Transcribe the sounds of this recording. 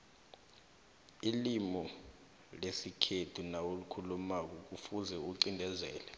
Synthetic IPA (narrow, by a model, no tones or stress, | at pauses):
ilimɔ | lesikʰetʰunawulukʰulumak̬ɔk̬ufuzɛuǀindʱɛzɛːlɛ